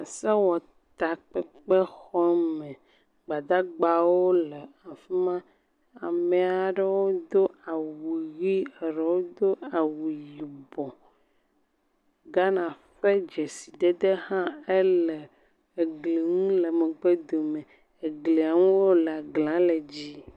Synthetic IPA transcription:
a˨se˦wɔ˨ | t̪a˨k͡pɛ˦k͡pe˦xɔ˦mẽ˨ | ɡ͡ba˨d̪a˦ɡ͡ba˨wo˦le˨a˨fi˦mã˦ | a˨me˨a˨ɖe˦wo˦d̪o˦a˨wu˨wi˦e˨ɖe˨wo˦d̪o˦a˨wu˨ji˨bɔ˨ | ɡa˦nã˨ | ɸe˦d͡ʒe˨si˨ɖ̪e˦d̪e˦hã˦e˦le˨ | e˨ɡli˨ŋũ˦le˨me˨ɡ͡be˦d̪o˨mẽ˨ | e˨ɡli˨a˨ŋũ˦wo˦le˨a˨ɡlã˨˦le˨d͡ʑi˦

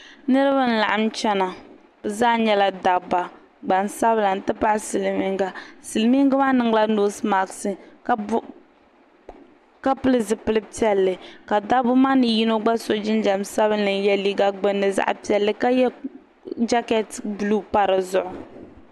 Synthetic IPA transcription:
nɨ˦ɾɨ˦βa˦n̩˦la˨ʔa˨˦m˦t͡ʃɛ˦na˨ | b̥ɛ˨zaː˦ɲɛ˦la˦da˨ba˨ | ɡ͡ba˨n˨sa˦bla˨n̩˨tɨ˦pa˦ʔsɨ˨lmi˦ŋɡa˦sɨ˨lmi˦ŋɡɨ˦maː˦nɨ˦ŋla˦noː˦sma˨ksɨ˦k | ka˦pɨ˦lɨ˦zɨ˨pɨ˦lɨ˦pi˦ɛ˦lːɨ˨ka˨da˦bʊ˦maː˦nɨ˨ji˦no˦ɡ͡ba˦so˨d͡ʒɪ˦nd͡ʒa˨msa˦bɨ˦nːɨ˨n˦jɛ˦liː˦ɡa˦ɡ͡bɨ˦nːɨ˨za̰˦ʔpi˨˦ɛ˨lːɨ˦ka˦jɛ˦ | d͡ʒa˦kɛ˦tblu˦pa˦ɾɨ˨zʊ˨ʔʊ˨

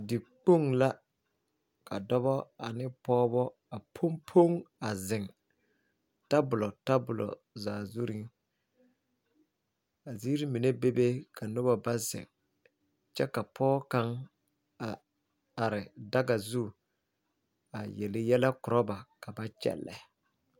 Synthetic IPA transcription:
dɪ˨k͡po˦˨ŋla˦ | ka˨dɔ˦βɔ˦a˨nɪ˦pɔː˦bɔ˦ | a˨pʰo˦mpʰo˦ŋa˨zɪ˨ŋ | ta˦bʊ˨lɔ˨ta˦bʊ˨lɔ̰˨ | zaː˨zu˦ɾi˦ŋ | a˨zi˦ɾi˦mi˨ne˦be˦be˦ka˨nʊ˦ba˨ba˦zɪ̰˨ŋ | t͡ʃɛ˦ka˨pʰɔː˦ka˦ŋ | a˨ | a˨ɾɪ˨da˦ɡa˨zu˦˨ | a˨jɛ˨lɪ˨jɛ˦la˦kʊ˨ɾɔ˦ba˨ka˨ba˦t͡ʃɛ̰˨lːɛ̰˨

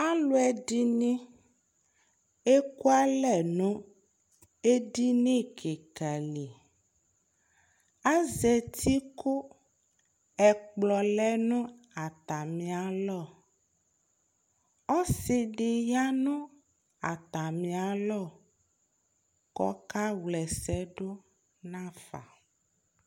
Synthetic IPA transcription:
a˦lo˦ɛ˨di˦nĩ˦ | e˦ku˦a˦lɛ˨nũ˦ | e˦ɖi˦nẽ˦˨kʰe˨ka˨li˨ | a˦ze˨t̪ʰi˦ko˦ | ɛ˨k͡plɔ˨lɛ˦nũ˦ | a˨t̪a˨mĩ˨a˨lɔ˦˨ | ɔ˦se˨ɖe˨ja˦nũ˦ | a˨t̪a˨mĩ˨a˨lɔ˦˨ | kɔ̰˦ka˦wlɛ˨sɛ˦ɖo˦ | nã˦fa̰˨

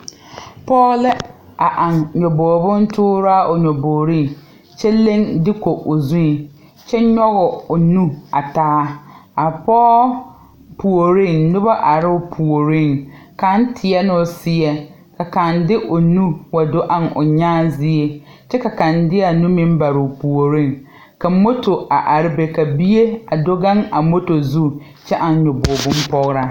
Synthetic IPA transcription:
pɔː˦lɪ˦ | a˨ʔa˨ŋɲɔ˨bɔː˨bʊ˦n˦tʰʊː˦ɾa˦ʔʊ˨ɲɔ˨boː˨ɾi˦˨ŋ | t͡ʃɛ˦le˦ŋdɪ˦ko˨ʔo˨zũ˦˨ | t͡ʃɛ˦ɲɔ˦ɣʊ˨ʊ˨nu˦a˨taː˦a˨pɔː˦ | pu˨o˨ɾi˦˨ŋnʊ˦ba˦ʔa˨ɾɪ˦ʊ˦pʰu˨o˨ɾi˦˨ŋ | kã˨˦n˦tʰɪ˨ɛ˦nɪ̃˦ʊ˨sɪ˦ɛ˨ | kʰa˨kã˨ndɪ˦ʔo˨nũ˦wa˨do˦ʔã˨nʊ̰˨ɲãː˦zɪ˦e˦ | t͡ʃɛ˦ka˨kã˨ndɪ˦a˨nũ˦mĩ˦m˦ba˨ɾɪ˨pʰu˨o˨ɾĩ˦˨ŋ | ka˨˦mo˦tʰo˨a˨ʔa˨ɾɪ˨be˨ka˨bi˦e˦a˨do˦ɡã˦ŋa˨˦mo˦to˨zu˦ | t͡ʃʰɛ˦ʔa˨˦ɲɔ˨bo˨bʊ̃˦m˦pɔ˦ɣɾa˦

